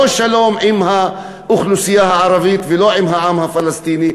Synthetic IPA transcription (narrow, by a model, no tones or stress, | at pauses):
oʃalo̞mʕimha | uxlusijahaʕaɾavit̪veloʕimɦaʕamhafalast̪ini